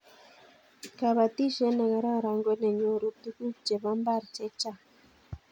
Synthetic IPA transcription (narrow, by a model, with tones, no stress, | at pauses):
ka˨βa˨t̪i˦ʃe˦na˨ɣa˨ɾa˦ɾa˨ŋɡʷe˦ne˨ɲo˦ɾu˨˧t̪i˦ku˦t͡ʃe˨βa˦mba˦ɾt͡ʃe˦t͡ʃa˦˨